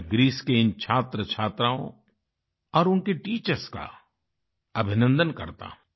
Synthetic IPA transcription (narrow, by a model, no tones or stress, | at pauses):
ɡɾiːskeɪnt͡ʃʰaːt̪ɾət͡ʃʰaːt̪ɾaːõ̰ | ɔːɾʊnkeʈiːt͡ʃəɾska̰ | ɐbʱɪnə̃nd̪ənkɐɾt̪a̰